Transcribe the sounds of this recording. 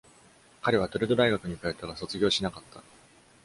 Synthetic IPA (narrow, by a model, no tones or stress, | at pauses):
kaɾe̞β̞at̪o̞ɾɯ̟d̪o̞d̪aiɡakɯ̟ɲ̟ikajot̪ːeɡaso̞t͡sɨɡʲo̞ːɕinakat̪ʰːa